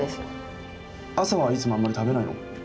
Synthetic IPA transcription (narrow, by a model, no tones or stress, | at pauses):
es | asaβait͡sɨmo̞amːaɾʲit̪abe̞naino̰